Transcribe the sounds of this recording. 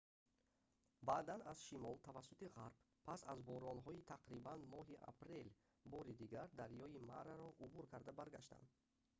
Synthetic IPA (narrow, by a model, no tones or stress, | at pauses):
bad̪anazʃimɔlt̪ʰavasːut̪iʁaɾb̥ | pʰːasazbɔɾɔnɦɔit̪ʰaqɾibanmɔɦiʔa̰pɾe̞l | bɔɾid̪iɡaɾd̪aɾjɔima̰ɾaɾɔʔubuɾkʰaɾd̪abaɾɡa̰ʃt̪a̰nd̪